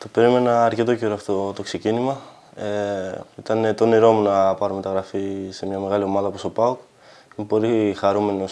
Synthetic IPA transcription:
t̪ope̞ɾime̞nɐːɾce̞t̪o̞ceɾoɐft̪ot̪o̞kse̞cinimɐ | eit̪ɐnet̪o̞niɾo̞munɐpɐɾome̞t̪ɐɣɾɐfise̞mɲɐme̞ɣɐlio̞mɐðɐpust̪opɐok | impo̞ɾixɐɾume̞no̞s

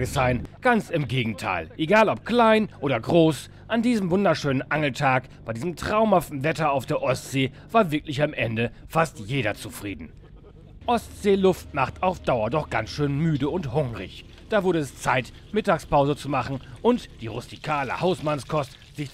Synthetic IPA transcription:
ɡəz̥aɪnɡ̥ant͡sɪmɡeːɡŋ̩tʰa̰ɪlʔeɡaːlɔp̚kl̥aɪnʔoːdɐɡʁoːs | ʔandiːzəmvʊndɐʃøːnənʔaŋl̩tʰaːkb̥aɪdiːzəmtʁ̥aʊmhaftn̩vɛtɐaʊfd̥eːɐʔɔstz̥eː | v̥aːɐvɪɐklɪçamʔɛndəfastjeːɾɐt͡sufʁ̥iːdn̩ | ʔɔstz̥eːlʊftmaχtaʊfd̥aʊɐdɔχɡ̥ansʃøːnmyːdəʊnthʊŋʁɪ̰ç | d̥aːvʊɐɾəɛst͡saɪt | mɪtaːkspaʊzət͡sumaχn̩ʔʊntd̥iːʁʊstikʰaːlə̰haʊsmanskʰɔst | z̥ɪç

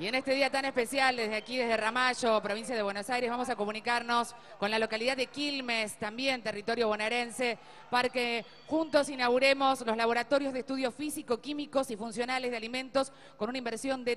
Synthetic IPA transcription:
ie̞nest̪e̞ðiat̪anespesjald̪ezðeakiðe̞zðeramaʃo̞pɾo̞βins̬jað̞eβweno̞sajɾezβamo̞s̬ako̞mũnikaɾno̞s | ko̞nlalo̞kaliðad̪ðekilmest̪ambjent̪erit̪o̞ɾjo̞βenaɾense | paɾke | xunt̪o̞sinaɣuɾemo̞slozlaβo̞ɾat̪o̞ɾjozðeht̪uð̞josfisiko̞kimiko̞sifunsjo̞nalezðealimẽ̞nt̪o̞s | ko̞nunaimbeɾsjo̞nd̪e

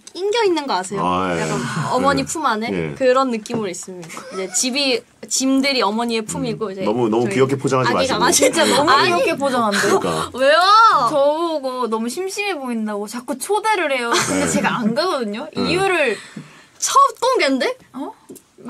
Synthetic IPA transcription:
iŋɡjʌinːɯnɡʌkasʰejo | ʌmʌɲipʰumanḛkɯɾʌnːɯk͈imɯɾis͈ɯmɲidaid͡ʑe̞t͡ɕibi | t͡ɕimdɯɾiʌmʌɲie̞pʰumiɡoid͡ʑe̞munʌmukijʌk̬ʰepʰod͡ʑaŋɦaaɡiɡaat͡ɕint͡ɕ͈anɔmuiʌkʰepʰod͡ʑaŋɦandekweot͡ɕʌboɡonʌmuɕʰimɕʰimeboindaɡot͡ɕak͈ut͡ɕʰodeɾɯɭhe̞jokɯndet͡ɕe̞ɡaanɡaɡʌdɯɲoijuɾɯɭ | t͡ɕʰʌt͈oŋɡende̞

